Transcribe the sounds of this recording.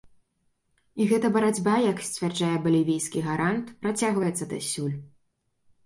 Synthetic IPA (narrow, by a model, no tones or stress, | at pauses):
iɣɛt̪ɐbɐɾad͡zʲbajaksʲt͡sʲvʲarʐajɛbɐlʲivʲejskʲiɣaɾant̪pɾat͡sʲaɣvɐjɛt̪sːɐd̪ɐsʲulʲ